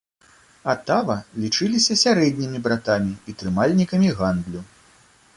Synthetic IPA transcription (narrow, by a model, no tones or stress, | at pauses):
at̪avɐlʲit͡ʂɨlʲisʲɐsʲaɾɛd̪ʲnʲimʲibɾat̪amʲiit̪ɾɨmalʲnʲikɐmʲiɣand̪lʲu